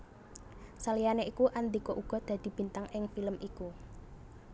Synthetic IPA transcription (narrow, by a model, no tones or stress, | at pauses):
salijaneʔikuʔand̪ikoʔuɡ̥ɔ̤d̪̥ä̤d̪̥i̤b̥i̤nt̪aŋɪŋfiləmʔiku